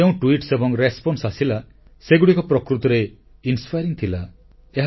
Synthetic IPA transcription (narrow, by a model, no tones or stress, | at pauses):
eũʈwiʈsebɔŋɾespɔnsasila | seɡuɽikɔpɾɔkɾut̪ɔɾe | inspajɾiŋt̪ʰila | eɦ